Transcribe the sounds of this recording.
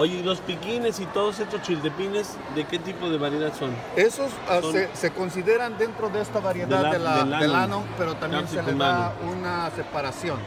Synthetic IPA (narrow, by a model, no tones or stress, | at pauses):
oʝeilo̞spikine̞sit̪o̞ð̞os̬est̪ost͡ʃild̪epine̞z | d̪e̞ke̞t̪ipoðe̞βaɾjeðaðso̞n | esosoese̞ko̞ns̬iðe̞ɾand̪ent̪ɾo̞ðeest̪aβaɾjeðeaaelaelaelanope̞ɾot̪amjensieleaaunasepaɾasjo̞n